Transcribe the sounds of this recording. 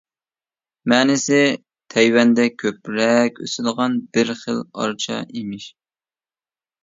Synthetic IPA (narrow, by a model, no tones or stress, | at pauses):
mɛːnɪsɪ | t̪ʰɛjwɛnd̪ɛkʲʰøpɾɛkʲø̰sɪd̪əʁɑnbɪɾχəlˠɑ̰ɾt͡ʃʰɑ̰imɪʃ